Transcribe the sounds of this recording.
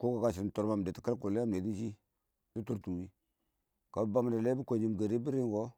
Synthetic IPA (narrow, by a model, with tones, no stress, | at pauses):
ko˦ka˨ka˦˨ʃ̬i˨tu˨ɾma˨m˨de˨ti̥˨˦kə˦lku˨le˦a˦m˨e˨ti˦ʃi˦ | di˦tu˦ɾtu˨wi˦ | ka˨bba˦m˨da˨le˦bi˦ko˨d͡ʒi˨m˨ɡa˨ɾi˦bi˦ɾi˦ŋɡo˦